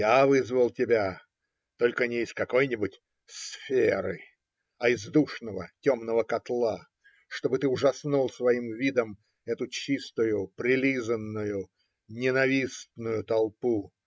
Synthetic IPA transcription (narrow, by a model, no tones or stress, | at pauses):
javɨzvəlˠtʲɪbʲa | t̪o̞lʲkənʲɪɪsʲkɐko̞jnʲɪbʊtʲ | sfʲeɾɨ̰ | ɐɪzd̪uʂnəvətʲo̞mnəvəkɐt̪lˠa | ʂt̪o̞bɨt̪ɨʊʐɐsnulˠsvɐimvʲid̪əm | ɛt̪ʊt͡ɕist̪ʊjʊpɾʲɪlʲizənːʊjʊ | nʲɪnɐvʲist̪nʊjʊt̪ɐlˠpu